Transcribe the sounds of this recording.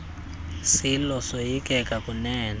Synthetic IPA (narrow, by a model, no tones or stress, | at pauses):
silɔsojikʼɛkʼakʼunɛːna